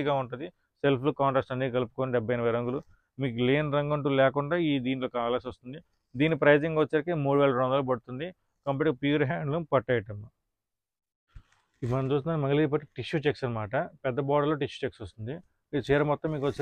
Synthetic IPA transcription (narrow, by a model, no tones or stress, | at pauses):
ɡaːuɳʈund̪i | selpʰukaːɳʈesʈɐnːiːɡɐlupu̥koːniɖɛbːɐjɐnɐʋɐɾɐŋɡulu | miːk̬uleːnɾɐŋɡɐɳʈ̬uːlɛːkuɳɖaːiːd̪iːniloːkaːlasɐst̪und̪i | d̪iːnːipɾɐjːd͡ʒiŋɡɐʋɐt͡ʃːɐɾkimuːɽuʋeːɭlɐɾɔnd̪ɐloːbɐɽut̪und̪i | kɐmpeːʈkɐpjuːɾɦaːɳɖlumpɐʈːɐjɐʈɐmːɐ | imɐnɐmt͡ʃuːst̪und̪ːnmɐŋɡɐliːɾp̬ɐʈːiʈiʃuːt͡ʃeksɐnɐmaːʈɐpɛd̪ːɐbɔːɽɐlːoːʈiʃu̥t͡ʃeksɐst̪und̪i | it͡ʃɛːɾɐmɔt̪ːɐmːiːkʋɐt͡ʃː